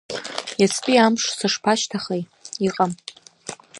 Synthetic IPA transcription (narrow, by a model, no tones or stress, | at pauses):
jat͡sʰpʼiamʂsɨʂpʰaʃtʰaχej | iqʼam